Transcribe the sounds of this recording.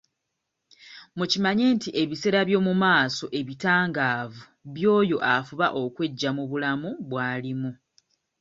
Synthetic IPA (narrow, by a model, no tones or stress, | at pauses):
mucimaɲe̞ːntiʔe̞βise̞ːɾaβjo̞ːmumaːso̞ʔe̞βitaːŋɡaːvu | βjo̞ːjo̞ʔafuβaʔo̞kwe̞ɟːamuβulamuβwaːlimu